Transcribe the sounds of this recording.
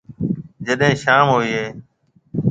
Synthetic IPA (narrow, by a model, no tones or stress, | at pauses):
d͡ʒəɗɦẽːʃaːmɦoːiːɦeː